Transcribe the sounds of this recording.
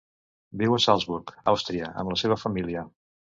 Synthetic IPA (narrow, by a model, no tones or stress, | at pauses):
biwəsalˠzβuɾkawst̪ɾiəə̰mləseβ̞əfəmiliə